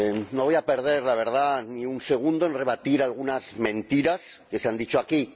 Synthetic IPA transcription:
noβojapeɾð̞e̞ɾlaβ̞e̞ɾð̞aniunse̞ɣ̞und̪oẽnre̞β̞at̪iɾalɣ̞unazmẽ̞nt̪iɾaske̞seand̪it͡ʃoaki

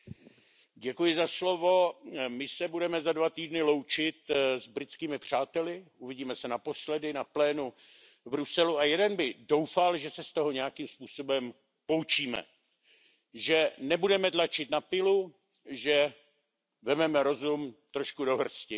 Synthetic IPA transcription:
ɟɛkujɪzaslo̞vo̞mɪsɛbudɛmɛzadvat̪iːdnɪlo̞wt͡ʃɪt̪zbɾɪt͡skiːmɪpr̝̥aːt̪ɛlɪʔuvɪɟiːmɛsɛnapo̞slɛdɪnaplɛːnu | vbɾusɛluajɛdɛnbɪdo̞wfalʒɛsɛst̪o̞ɦo̞ɲɛjakiːmspuːso̞bɛm | po̞wt͡ʃiːmɛ̰ | ʒɛnɛbudɛmɛt̪lat͡ʃɪt̪napɪlu | ʒɛ | vɛmɛmɛɾo̞zumt̪ɾo̞ʃkudo̞ɦr̩scɪ

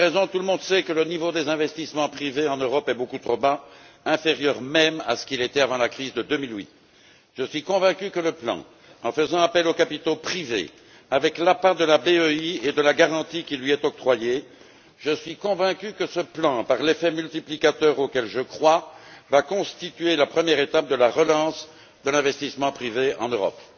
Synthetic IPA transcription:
ʁɛzɔ̃t̪uləmɔ̃d̪sɛkələnivod̪ezɛ̃vɛst̪ismɑ̃pχiveɑ̃nøʁɔpɛbokut̪χoba | ɛ̃feʁjœʁmɛma̰sə̥kilet̪ɛavɑ̃lakχizd̪əd̪ømilɥḭt̪ | ʒ̥əsɥikɔ̃vɛ̃kʲykələplɑ̰̃ | ɑ̃fəzɑ̃apɛlokapit̪opχivḛ | avɛklapad̪əlabeøied̪əlaɡaʁɑ̃t̪ikʲilɥiɛt̪ɔk̚t̪χwaje | ʒəsɥikɔ̃vɛ̃kʲykəsəplɑ̃paʁlefɛmylt̪iplikat̪œʁokɛlʒəkχwavakɔ̃st̪it̪ɥelapχəmjɛʁet̪ap̚d̪əlaʁəlɑ̃s | d̪əlɛ̃vɛst̪ismɑ̃pχiveɑ̰̃nøʁɔ̰p

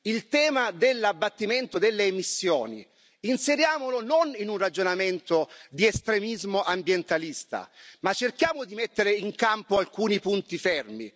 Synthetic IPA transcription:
ilt̪ɛːmad̪elːabːat̪ːiment̪od̪elːeːmisːjɔ̰ːnḭ | inseɾjaːmolononinunrad͡ʒonament̪od̪iest̪ɾemizmoʔambjent̪alist̪a̰mat͡ʃːerkjaːmod̪imet̪ːeɾeiŋkampoalkuːnipunt̪ifɛrmḭ

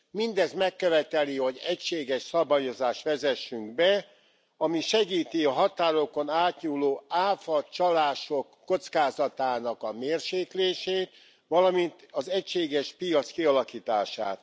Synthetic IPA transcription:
mind̪ɛzmɛkːøvɛt̪ɛliho̞ɟɛcʃeːɡɛʃsɒbaːjo̞zaːʃt̪ʋɛzɛʃːyŋɡbɛ | ɒmiʃɛɡiːt̪iɒɦɒt̪aːɾo̞ko̞naːt̪ɲuːloːaːfɒt͡ʃɒlaːʃo̞kːo̞t̪skaːzɒt̪aːnɒkɒmeːrʃeːkleːʃeːt̪ | ʋɒlɒmint̪ɒzɛcʃeːɡɛʃpijɒt̪skiɒlɒkiːt̪a̰ːʃa̰ːt̪

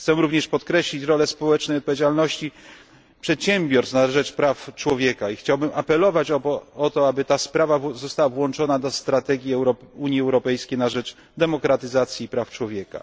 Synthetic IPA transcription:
xt̪sɛɾuvɲɛʂpɔt̪kɾɛɕlʲit͡ɕɾɔlɛspɔwɛt͡ʂnɛjɔt̪̚pɔvʲed͡ʑalnɔɕt͡ɕi | pʂɛt̪ɕɛmʲbʲjɔɾsnaʐɛt͡ʂpɾaft͡ʂwɔvʲjɛkaixt͡ɕawbɘmapɛlɔvat͡ɕɔɔɔt̪ɔabɘt̪aspɾavazɔst̪awavwɔnt͡ʂɔnad̪ɔst̪ɾat̪ɛɡʲjiɛɾɔuɲjiɛwɾɔpɛjskʲejnaʐɛt͡ʂ | d̪ɛmɔkɾat̪ɘzat̪sʲjiːpɾaft͡ʂwɔvʲjɛka̰

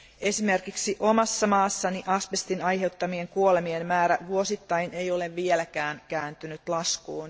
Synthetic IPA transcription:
e̞sime̞rkiksiʔomɑsːɑmɑːsːɑniʔɑspest̪inɑjhe̞ut̪ːɑmieŋkuolemienmæːɾæʋuosit̪ːɑijne̞jo̞leʋʋielækæːnkæːnt̪ynyt̪lɑskuːn

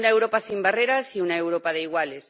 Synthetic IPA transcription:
naewɾo̞pasimbareɾasiunaewɾo̞pað̞e̞iɣwales

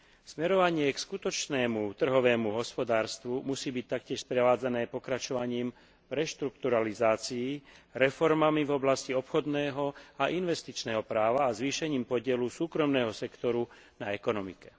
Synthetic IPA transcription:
smɛɾɔʋaɲɪɛkskut̪ɔt͡ʃnɛːmut̪r̩ɦɔʋɛːmuɦɔspɔd̪aːɾst̪ʋumusiːbic̚t̪akcɪɛʃspɾɛʋaːd͡zanɛːpɔkɾat͡ʃɔʋaɲiːm | vɾɛʃt̪ɾukt̪uɾalizaːt͡siːɾɛfɔɾmamivɔblasciɔpxɔd̪nɛːɦɔaʔinʋɛst̪it͡ʃnɛːɦɔpɾaːʋaːzʋiːʃɛɲiːmpɔɟɪɛlusuːkɾɔmnɛːɦɔsɛkt̪ɔɾu | naɛkɔnɔmḭkɛ̥

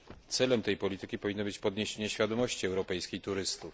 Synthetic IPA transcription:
t̪sɛlɛmt̪ɛjpɔlʲit̪ɘkʲipɔvʲinːɔbɘt͡ɕpɔd̪ɲeɕeɲɛɕfʲad̪ɔmɔɕt͡ɕiɛwɾɔpɛjskʲejt̪uɾɘst̪uf

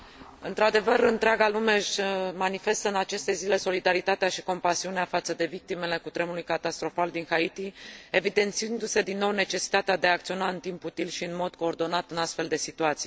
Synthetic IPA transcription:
ɨnt̪ɾad̪e̞vəɾɨnt̪ɾeaɡalume̞ʃmanife̞st̪əɨnat͡ʃe̞st̪e̞zile̞so̞lid̪aɾit̪at̪eaʃi̥ko̞mpasiuneafat̪səd̪e̞vik̚t̪ime̞le̞kut̪ɾe̞mulujkat̪ast̪ɾo̞fald̪inxait̪ie̞vid̪e̞nt̪siɨnd̪use̞d̪inːo̞wne̞t͡ʃe̞si̥t̪at̪ead̪e̞ak̚t̪sio̞naɨnt̪imput̪ilʃiɨnmo̞d̪ko̞ːrd̪o̞nat̪ɨnast̪fe̞ld̪e̞sit̪uat̪sij

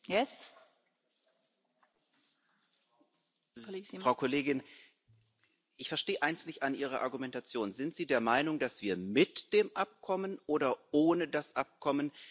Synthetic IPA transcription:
jɛs | fʁ̥aʊkʰɔleːɡɪn | ʔɪçfɛɐʃteːəʔaɪnstnɪçtanʔiːʁ̞ɐʔa̰ɐɡumɛntat͡sjoːnzɪntz̥iːdeːɐmaɪnʊŋd̥asv̥iːɐmɪtd̥eːmʔap̚kʰɔmənʔoːɾɐʔoːnədasʔap̚kʰɔmən

